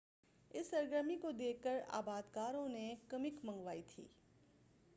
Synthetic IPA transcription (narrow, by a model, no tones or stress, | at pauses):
ɪsːɐɾɡɾəmikod̪eːəɾa̰ːbaːd̪kaːɾõnekɐmɪkmɐ̃ŋɡʋaːit̪ʰḭː